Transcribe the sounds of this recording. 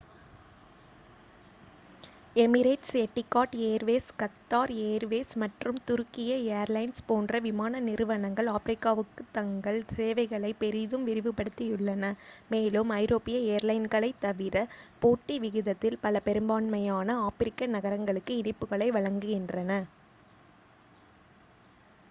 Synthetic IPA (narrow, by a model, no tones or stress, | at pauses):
ɛmɪɾeːʈsɛʈːɪkːaːʈeːɾʋeːskɐt̪ːaːɾeːɐɾʋeːsmɐʈrɯmt̪ʊɾkːɪjɐeɐɾlɐɪnspoːndrɐʋɪmaːnɐnɪɾɯʋɐɳɐŋɡɐɭaːfɪɾɪkːaːʋɯkːɯt̪ɐŋɡɐɭseːʋɐɪɣɐɭɐɪpɛɾɪðɯmʋɪɾɪʋɯpːɐɽɯt̪ːijɯɭːɐnɐmeːlɯmɐɪɾoːpɪjɐeːɐɾlɐɪnɡɐɭɐɪt̪ːɐʋɪɾɐpoːʈːiʋɪɣɪðɐt̪ːɪlpɐlɐpɛɾɯmbaːnmɐjaːnɐaːfɪɾɪkːɐnɐɣɐɾɐŋɡɐɭɯkːɯɪɳɪpːɯɣɐɭɐɪʋɐɻɐŋɡɯɣɪndrɐnɐ